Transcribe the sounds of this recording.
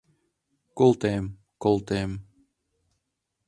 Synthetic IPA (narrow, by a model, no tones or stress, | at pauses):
kɔlˠt̪eːm | kɔlˠt̪eːm